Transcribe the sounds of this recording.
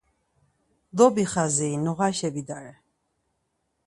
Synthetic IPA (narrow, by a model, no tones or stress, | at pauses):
d̪ɔbiχazɛːnɔʁaʃɛbid̪aɾɛ